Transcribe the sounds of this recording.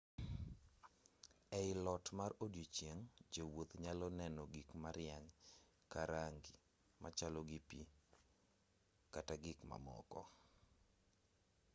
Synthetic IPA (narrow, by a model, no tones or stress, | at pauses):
ɛɪlɔtmarodjot͡ʃjeŋd͡ʒowot̪ɲalɔnɛnɔɡikmaɾɪjaɲ | kaɾaŋɡi | mat͡ʃalɔɡipi | kataɡikma̰mɔ̰kɔ̰